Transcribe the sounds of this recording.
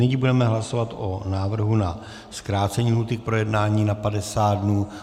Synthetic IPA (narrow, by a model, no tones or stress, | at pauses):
nɪɲibudɛmɛɦlaso̞vat̪ʔonaːvr̩ɦuna | skɾaːt͡sɛɲiːɦut̪ɪk̚pɾo̞jɛdnaːɲiːnapadɛsaːdnuː